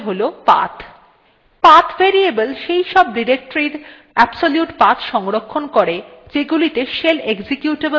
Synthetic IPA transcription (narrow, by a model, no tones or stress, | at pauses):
ɦolopa̰t̪ʰ | pat̪ʰveɾiebəlʃejʃɔb̚ɖiɾek̚ʈoɾiɾ | ɛbsoljuʈpat̪ʰʃɔŋɾokʰːonkoɾed͡ʑeɡulit̪eʃeleɡsikjuʈeb